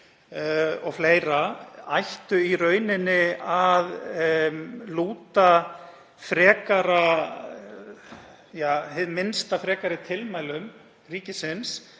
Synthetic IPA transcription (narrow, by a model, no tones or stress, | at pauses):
ɔɣfleːjɾaajht̪ʏiɾœːɥnɪnːɪað | luːt̪a | fɾɛːkaɾa | jaːɦɪðmɪnst̪afɾɛːkaɾɪt̪ʰɪlmajlʏm | riːcɪsɪns